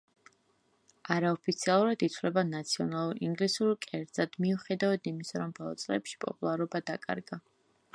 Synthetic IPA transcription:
aɾaɔpʰit̪sʰialˠuɾad̪it̪ʰvlɛbanat̪sʰiɔnalˠuɾiŋɡlisuɾkʼɛɾd̪z̥ad̪̥miuχɛd̪avad̪imisaɾɔmbɔlˠɔ̰t̪sʼlɛpʃi̥pʼɔpʼulˠaɾɔbad̪akʼa̰ɾɡa

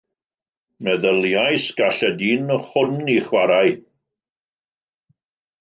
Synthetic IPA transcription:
mɛðəljajsɡ̥aɬɛdinɔhʊniχwaɾaj

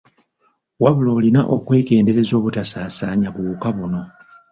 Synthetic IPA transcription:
waβulo̞ːlinaʔo̞kwe̞ːɡe̞ːnde̞ɾe̞zo̞ːβutasaːsaːɲaβuːkaβuno̞

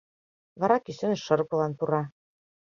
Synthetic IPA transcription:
vɑɾɑkisɘ̆nɘ̆ʃɤ̆ɾpulˠɑnt̪uɾɑ

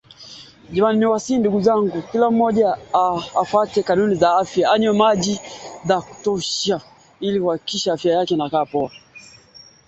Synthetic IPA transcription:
ʄimaniniwasinduɡuzaŋɡukilam̩mɔʄaː | fwatɛkanunizaafjaaɲɔmaʄizaku̥tɔʃa | iliuwakikiʃaafjajakɛnakaːpɔa

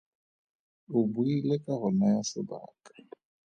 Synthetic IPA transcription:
ʊbuilekʼaɣʊnajasɪba̰ːkʼḁ

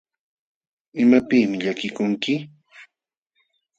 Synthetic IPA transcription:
ɪmapiːmɪʎakɪkʊŋkɪ

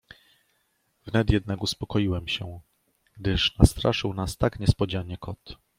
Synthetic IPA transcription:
vnɛt̪jɛd̪̚nakuspɔkɔjiwɛmɕɛ | ɡ̥d̪ɘʂnast̪ɾʔa̰ʂɘwnast̪akɲɛspɔd͡ʑaɲɛkɔt̪

